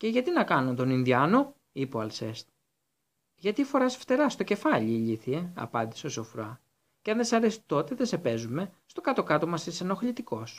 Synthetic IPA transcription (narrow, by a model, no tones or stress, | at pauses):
ce̞ʝɐt̪inɐkɐnunt̪o̞ninðiɐno̞ | ipo̞ɐlse̞̰st̪ | ʝɐt̪ifo̞ɾɐsft̪e̞ɾɐst̪o̞ce̞fɐʎiːʎiθieɐ̰pɐnd̪i̥seoso̞fɾoɐ | ceɐnðesɐɾesi̥t̪o̞t̪e̞ðese̞pe̞zume̞st̪o̞kɐt̪o̞kɐt̪o̞mɐsiseno̞xʎit̪iko̞s